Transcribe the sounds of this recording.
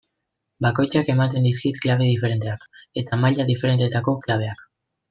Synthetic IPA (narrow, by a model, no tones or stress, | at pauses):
bako̞jt͡ʃake̞mat̪e̞nd̪iskit̪klaβ̞e̞ðife̞ɾe̞nt̪e̞ake̞t̪amaʎaðife̞ɾe̞nt̪e̞t̪ako̞klaβ̞e̞ak